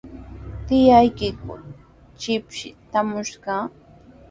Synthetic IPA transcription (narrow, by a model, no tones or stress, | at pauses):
t̪ɪjajkɪkʊ̰ | t͡ʃɪpʃɪ̰t̪amʊʃɢɑ